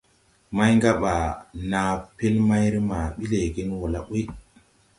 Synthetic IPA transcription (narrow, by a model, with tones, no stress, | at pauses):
ma˦jŋɡa˦ɓa˨na˨pe˦lma˦jɾi˦ma˨ɓi˦le˨ɡi˦nwo˨la˦ɓu˦j